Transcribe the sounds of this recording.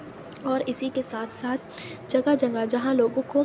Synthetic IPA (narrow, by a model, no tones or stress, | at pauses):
ɔːɾɪsikesaːt̪ʰsaːt̪ʰd͡ʒɐɡad͡ʒɐ̃ŋɡad͡ʒɐɦãloːɡõko